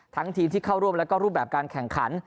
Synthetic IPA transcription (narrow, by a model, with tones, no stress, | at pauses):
t̪ʰa˦˥ŋt̪ʰiː˧mt̪ʰiː˥˩kʰa˥˩wɾu˥˩əmlɛ˦˥wkɔː˥˩ɾuː˥˩bɛː˨˩p̚kaː˧nkʰɛ˨˩ŋkʰa˩˦˥n